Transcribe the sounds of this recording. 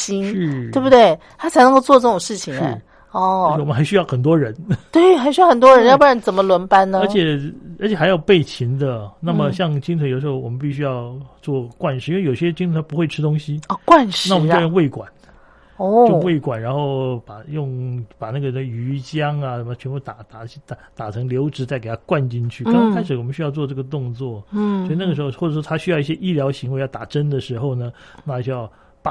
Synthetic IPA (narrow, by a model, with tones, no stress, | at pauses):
t͡ɕi˥n˥˩t̪we˥˧ɪbu˩t̪we˥˩ɪt̪ʰa˥t͡sʰa˧˥ɪnɤ˧ŋko˥˧ʊt͡swɔ˥˧ʈ͡ʂɤ˥˩ʊ˨˩ŋʂɻ̩˥˩t͡ɕʰi˨˩ŋɻ̩̰˥˩˧ | ɔ˥˩˧mə˦nxa˧˥ɪɕy˥ɑ˥˩ʊxə˨˩nt̪̬wɔ˥ɻə˧˥nt̪we˥˩ɪxa˥ɪɕy˥jxə˨˩nt̪wɔ˥ɻə˧˥njpa˥ɻə˧˥nt͡sə˨˩nmə˦lwə˧˥npa˥nnə˧ə˞˧˥jɛ˨˩ə˧˥t͡ɕʰjɛ˨˩xa˧˥jɑ˥˩ʊpe˥˩ɪt͡ɕʰi˧˥ŋd̪ə˧na˥˩mə˩ɕjɑ˥˧ŋt͡ɕi˥ŋt͡sʰjd̪ʂxo˥˩ʊwɔ˨˩mə˦np̬i˥˩ɕ̬y˥jɑ˥˧ʊt͡swɔ˥˧kwa˥˧nʂɻ̩˥˩i˥we˥˩jo˨˩ɕɕjɛ˥t͡ɕi˥ŋt͡sʰə˧˥nʰ˥pu˧˥xwe˥˩ɪʈ͡ʂʰɻ̩˥t̪ʊ˥ŋɕi˨ɔ˥˧˩kwa˥˧nʂɻna˥˩wɔ˨˥mə˦˥˧jʊ˥˧ŋwe˥˩ɪkwa̰˨˩˦n˥ | we˥˩ɪkwa˨˩nɻa˧˥nxo˥˩ʊpa˨˩jʊ˥˧ŋpa˨˩na˥˩ɡə˩˧ə˧y˧˥t͡ɕjɑ˥ŋa˨ʂə˨˩mə˩t͡ɕʰɥɛ˧˥npu˥˩t̪a˨˩t̪a˨˩˥t̪a˨˩t̪a˨˩ʈ͡ʂʰɤ˧˥ŋljo˧˥ʊʈ͡ʂɻ̩˧˥t͡sa˥˩ɪke˨˩ɪtʰa˥kwa˥˧nt͡ɕi˥nt͡ɕʰy˥˩kkʰa˥ɪʂɻ̩˧˩wɔ˨˩mə˦nɕy˥jɑ˥˧ʊt͡swɔ˥˧ʈ͡ʂɤ˥˩ɡə˩t̪̬ʊ˥˧ŋt͡swɔ˥˩sɔ˧˥i˨˧na˥˩ɡə˩ʂɻ̩˧˥xo˧ʊxwɔ˥˩ʈ͡ʂə˨˩ʂwɔ˥t̪ʰa˥ɕy˥jɑ˥˧ʊi˥˩ɕjɛ˥ʔi˥˩ljɑ˧˥ʊɕi˧˥ŋwe˧˥jɑ˥˩ʊt̪a˨˩ʈ͡ʂə˥nd̪ə˨ʂɻ̩˧˥xo˥˧ʊnə˩na˥˩a˥˩ɕjɑ˥˩ʊ | p